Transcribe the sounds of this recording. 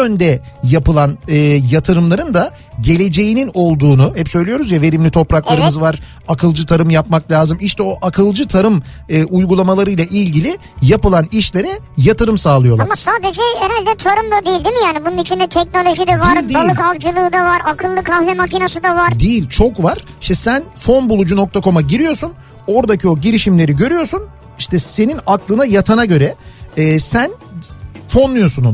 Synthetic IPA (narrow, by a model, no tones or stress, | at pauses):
ønd̪ɛjapɯlˠanɯːjat̪ʰɯɾɯmlˠaɾɯnd̪a | ɟe̞lʲe̞d͡ʒe̞jinino̞lˠd̪uːnuhɛpsø̞jlʲijo̞ɾuzjave̞ɾimlʲit̪ʰo̞pɾaklˠaɾɯmɯzvaɾ̥ | akʰɯlˠd͡ʒɯt̪ʰaɾɯmjapmaklʲaːzɯmiʃt̪ʰɛo̞ʔakʰɯlˠd͡ʒɯt̪ʰaɾɯm | ɯːujɡulˠamalˠaɾɯjlˠaʔilʲɟilʲɪ | japɯlˠaniʃlʲe̞ɾɛjat̪ʰɯɾɯmsaːlˠɯjo̞lˠamasaːd̪ed͡ʒɛeɾalʲd̪ɛt͡ʃʰoɾumd̪ad̪ijilʲd̪imijaːnibununit͡ʃʰind̪ɛt̪ʰɛc̚no̞lʲo̞ʒid̪ɛvaɾʲd̪ibaliɯkʰald͡ʒɯlˠɯːd̪avaɾakʰɯlˠːɯkʰanvɛmacʰinasɯd̪avaɾd̪ijilʲt͡ʃʰo̞kvaɾ̥ | iʃt̪ɛsænfo̞nbulˠud͡ʒuno̞k̚t̪ʰakʰo̞maɟiɾijo̞sun | o̞ɾd̪acʰio̞ɟiɾiʃimlʲe̞ɾiɟø̞ɾyjo̞ɾsun | iʃt̪ʰɛse̞ninaklˠɯnajat̪ʰanaɟø̞ɾɛɛːsæn | fo̞nlːˠujo̞sunu